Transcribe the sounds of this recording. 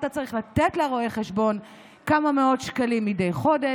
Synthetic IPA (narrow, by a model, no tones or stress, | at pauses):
t̪at͡saʁiχlat̪etleʁoeχeʃbo̞n | kamameo̞tʃkalimːidejχo̞de